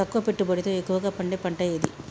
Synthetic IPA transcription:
ɐkːuʋɐpeʈːubɐɽit̪oːekːuʋɐɡaːpɐɳɖepɐɳʈɐjɐd̪ḭ

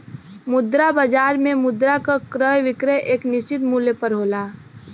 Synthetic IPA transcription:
mʊd̪ɾabəd͡ʒaːɾmẽmʊd̪ɾakakɾəjʋɪkɾəʔeːknɪst͡ʃɪt̪muːljəpəɾɦoːlaː

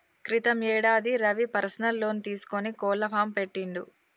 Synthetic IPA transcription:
kɾit̪ɐmɛːɽaːd̪iɾɐʋipɐɾɐsɐnɐlːo̞ːnit̪iːsu̥konikɔːlːɐpʰaːmpe̞ʈːiɳɖ̪u

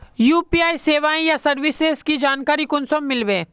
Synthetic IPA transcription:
juːpiːaːiseːʋaːẽjasɐɾʋɪsezkid͡ʒaːnkaːɾikʊnsomːɪlʋẽː

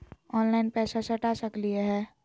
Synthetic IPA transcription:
ɔːnlaːɪnpɛːsasɐʈaːsəklieɦɛː

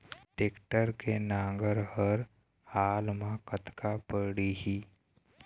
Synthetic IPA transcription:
ʈeːkʈəɾkenãːŋɡəɾhəɾ | haːlmãkət̪kapəɽiɦiː

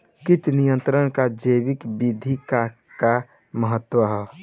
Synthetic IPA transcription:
kiʈnijənt̪ɾəɳkad͡ʒəbikbid̪ʱika | ka | məɦət̪ːwəɦɛ

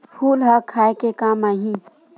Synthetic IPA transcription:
pʰuːlɦakʰaːekekaːmaːɦĩ

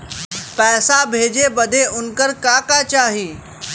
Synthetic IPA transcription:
pɛːsabʱeːd͡ʒebɐd̪ʱeʔʊnkəɾkaːkat͡ʃaːɦiː

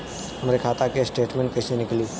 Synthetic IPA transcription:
ɦɐmɾekʰaːt̪akesʈeːʈmɛ̃ɳʈ̚kesenɪkliː

